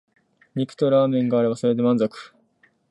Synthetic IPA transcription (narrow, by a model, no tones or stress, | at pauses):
ɲikɯ̟̥t̪o̞ɾaːmẽ̞ŋɡaːɾe̞baso̞ɾe̞d̪e̞mãnzokɯ̥